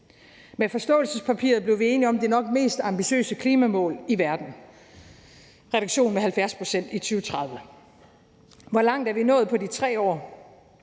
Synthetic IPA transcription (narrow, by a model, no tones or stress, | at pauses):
mefɒ̽sd̥ɔ̰̽ːlsəspʰæpʰḭɐðˠb̥le̝ʊʋie̝ːniɒ̽md̥enɒ̽ɡ̥me̝̰ːsd̥ɑ̈mb̥iɕø̰ːsəkʰliːmæmɔ̰̽ːliʋæɐd̥n̩ | ʁɛɾ̥u̥ɕo̝̰ːnmehælfjæɐspʰʁosen̰d̥it͡sʰyːʊət͡sʰʁɑ̈ðˠʋə | ʋɒlɑ̈ŋ̰d̥æɐʋinɔ̽ːð̩ˠpʰɒ̽dit͡sʰʁɛ̰ːɒ̰ː